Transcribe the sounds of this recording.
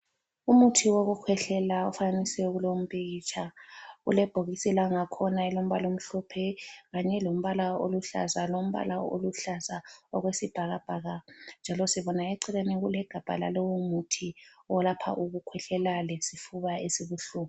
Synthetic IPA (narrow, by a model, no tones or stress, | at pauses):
umutʰiwoɣukʰwɛɬɛlaṵfaanisɛuɣulom̩pʼit͡ʃʰʼaɣṵlɛb̥ʱoɣisilaŋakʰɔnaɛlom̩βalom̩ɬɔpʰɛɣaɲɛlom̩βalao̰luɬa̰zalom̩βa̰lao̰luɬazaɔɣwesib̥ʱaɣab̥ʱaɣand͡ʒʱalɔsiβɔnaeǀiɣeniɣulɛɡ̥ʱab̥ʱa̰la̰lɛwumutʰiɔlapʰa̰ʔuɣukʰwɛɬɛlalesifuβaesiβuɬuːβu